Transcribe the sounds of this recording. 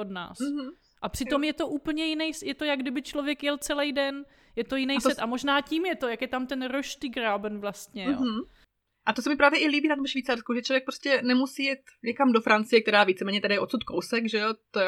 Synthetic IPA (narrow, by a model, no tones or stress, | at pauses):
ʔodna̰ːs̩ | ʔapr̝̥ɪo̞mjɛt̪o̞ʔuːpl̩ɲɛjɪnɛjsjɛt̪ojaɡdɪbɪt͡ʃlovjɛkjɛlt͡sɛlɛjdɛn | jɛt̪o̞jɪnɛjsɛt̪ʔamo̞ʒnaːciːmjɛt̪o̞jakjɛt̪amt̪ɛnɾoʃt̪ɪɡɾabnvlast̪ɲɛjo̰ɦ̩ | ʔat̪osɛmɪpɾaːvjɛʔɪliːbiːnat̪omfʃviːt͡saɾskuʒɛt͡ʃlovjɛk̚pɾoscɛnɛmusiːjɛt̪ɲɛkamdofɾant͡sɪjɛk̚t̪ɛɾaːviːt͡sɛmɛːɲɛt̪ɛdajɛʔo̞t̪sut̪̚kowsɛkʒɛot̪o